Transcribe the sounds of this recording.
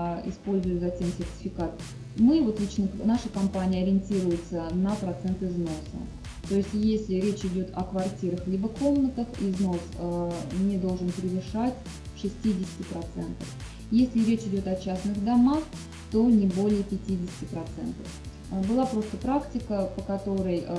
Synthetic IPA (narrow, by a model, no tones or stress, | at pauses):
ɪ̰spo̞lʲzʊjʊzɐtʲe̞msʲɪrtʲɪ̥fʲɪkat̪̚ | mɨvo̞t̪lʲit͡ɕnənaʂəkɐmpanʲɪjəɐɾʲɪnʲtʲiɾʊjɪt̪sənəpɾɐt̪sɛnt̪ɨzno̞sə̰ | t̪o̞ɪsʲtʲjesʲlʲɪɾʲet͡ɕɪdʲo̞t̪ɐkvɐrtʲiɾəxlʲibəko̞mnət̪əxḭzno̞snʲɪd̪o̞lˠʐɨnpɾʲɪvɨʂatʲ | ʂɨsʲtʲidʲɪsʲɪ̥tʲɪpɾɐt̪sɛnt̪əf | jesʲlʲɪɾʲet͡ɕɪdʲo̞t̪ɐt͡ɕasnɨɣd̪ɐmax | t̪o̞nʲɪbo̞lʲɪjəpʲɪtʲidʲɪsʲɪ̥tʲɪpɾɐt̪sɛ̰nt̪ə̰f | bɨlˠapɾo̞st̪əpɾaktʲɪkəpəkɐt̪o̞ɾəj